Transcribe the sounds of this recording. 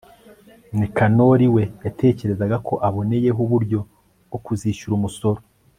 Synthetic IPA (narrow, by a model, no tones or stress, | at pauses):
nikano̞ɾiwe̞jatʰe̞ːce̞ɾe̞zaɡakʰo̞ʔaβo̞ne̞je̞ɦuβuɾɟo̞ | okuziʃuɾumuso̞ɾo